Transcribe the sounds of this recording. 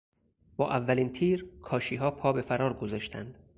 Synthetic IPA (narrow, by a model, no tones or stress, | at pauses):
b̥ɒ̰ːʔævːæliːnt̪ʰiːɾkʰɒːʃiːɦɒːpʰɒːbe̞fæɾɒːɾɡozɒːʃt̪ʰæ̰nd̪̥